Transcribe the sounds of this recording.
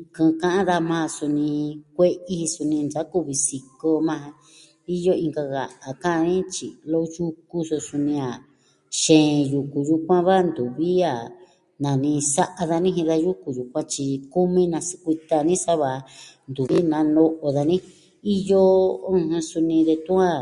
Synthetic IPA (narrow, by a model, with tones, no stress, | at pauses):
kɨ̃˧kã˦ʔã˦ða˧mã˧su˧nĩ˧kʷe˦ʔi˦hi˧su˧nĩ˧nd͡ʒa˨˦ku˦βi˧si˧ko˧mã˧ã˧ | i˦jo˦ĩ˧ŋɡa˧ɣa˨ʔa˨kã˦a˧nĩ˦t͡ʃḭ˨lo˦ju˦ku˧su˧su˧nĩ˧a˨ | ʃẽː˨˧˨ju˧ku˨ju˧kʷã˦βa˦nd̪u˨βi˦a˨ | nã˨nĩ˧sa˦ʔa˧ða˧nĩ˦ɦĩ˧ða˧ju˦ku˧ju˨kʷã˦t͡ʃi˧ku˦mĩ˦nã˧si̥˧kʷi˧t̪a˧nĩ˦sa˦βa˧nd̪u˨βi˦nã˧˦no˧ʔo˧ða˧nĩ˦ | i˦jo˦ũ˧hũ˧su˧nĩ˧ðe˧t̪u˦ã˦